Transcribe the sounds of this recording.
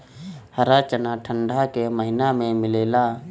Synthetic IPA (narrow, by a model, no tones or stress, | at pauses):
həɾat͡ʃənaʈʰə̃ɳɖʱakeməɦɪnamẽmɪleːlaː